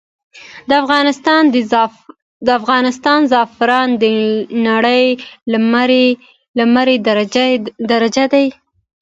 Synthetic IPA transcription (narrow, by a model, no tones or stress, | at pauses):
d̪əafɣɑnɪst̪ɑnd̪ | d̪əafɣɑnɪst̪ɑnzɑfɪɾɑnd̪ənaɽəjmɾ | lamaɾed̪ad̪aɾad͡ʒad̪aj